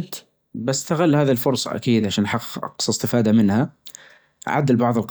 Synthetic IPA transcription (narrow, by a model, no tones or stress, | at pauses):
t̪ | bast̪aɣalːhaːðilfʊɾˤsˤɑ̰ʔa̰kiːd̪ʕaʃaːnħɑqːqʔɑ̰qsˤɪst̪ɪfaːd̪amɪnha | ʕa̰d̪ɪlbɑʕðˤɨlq